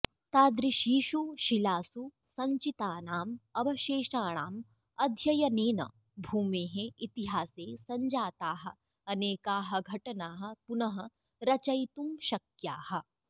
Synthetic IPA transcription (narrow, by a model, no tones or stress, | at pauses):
t̪aːd̪ɾiʃiːʃuʃilaːsu | sɐ̃ɲt͡ʃit̪aːnaːmɐbɐʃeːʃaːɽ̃aːm | ɐd̪ʱjɐjɐneːnɐ̰ | bʱuːmeːɦẽit̪iɦaːseːsɐ̃ɲd͡ʒaːt̪aːɦɐ̆ | ɐneːkaːɦɐ̆ɡʱɐʈnaːɦɐ̆pʊnɐɦɐ̆ | ɾɐt͡ʃɐjt̪umʃɐkjaːhɐ̆